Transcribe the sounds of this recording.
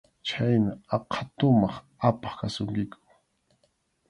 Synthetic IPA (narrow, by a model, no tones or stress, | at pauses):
t͡ʃʰajnaɑqʰɑ̥t̪ʊmɑχ | apɑ̥χkasʊŋkɪkʰʊ̥